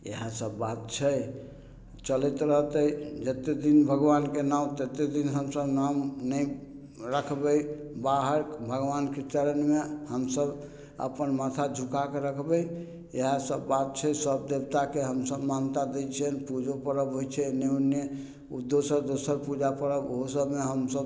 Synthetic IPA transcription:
ḛɦasəbːat̪̚t͡ʃʰɛ | t͡ʃəlɛt̪ɾəɦt̪əd͡ʒət̪ed̪inbʱəɡʋankenaũt̪et̪ed̪inɦəmsəbnamnəj | ɾəkʰbəjbaɦəɾkbʱəɡʋanket͡ʃəɾənmehəmsəb | ə̰pənmat̪ʰad͡ʒʱukakeɾəkʰbəj | eɦasəbːat̪̚t͡ʃʰɛsəb̚d̪ebt̪akeɦəmsəbmant̪ad̪et͡ʃʰɛnpud͡ʒʱopəɾəbɦojt͡ʃʰɛneune | ud̪osəɾd̪osəɾpud͡ʒapəɾəboɦosəbmeɦəmsəb

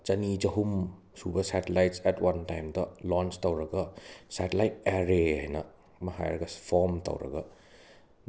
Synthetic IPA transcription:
t͡ʃɐnid͡ʒɐɦum | subɐsatelajt̚sɛtwɐntajmdɐlɔnstɐwɾɐɡasatelajt̚eɾeajnɐ | mɐɦa̰jɾɐɡɐpʰɔmtɐ̰wɾɐ̰ɡa

